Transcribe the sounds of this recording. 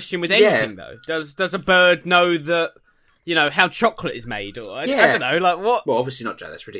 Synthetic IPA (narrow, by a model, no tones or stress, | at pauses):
st͡ʃɨ̃nwɨðɛniθɪ̃ŋðo̰ʊd̥ʌzdʌzəbɜː˞dⁿnəʊðəʔ | jɨñoʊɦaʊt͡ʃʰɒkʰlətɪzmḛɪdə˞aɪæaɪdə̃ʊnːoʊlaɪkwɒtwɛlˠɒbviəslinət̚d̥a̰ɪðæ̰tsɹ̥ɪli